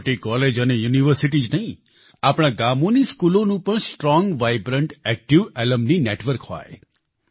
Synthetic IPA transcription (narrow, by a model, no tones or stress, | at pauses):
ʈikɔled͡ʒənejuniʋəɾsiʈ̬id͡ʒnəɦĩ | apɽ̃aɡamoniskulonũpəɳsʈɾɔŋɡʋajbɾəɳʈɛk̚ʈiʋɛləmnineʈʋəɾkha̰e